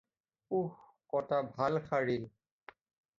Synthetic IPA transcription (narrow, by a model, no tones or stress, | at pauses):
ux | kɔtabʱalxʰaɹil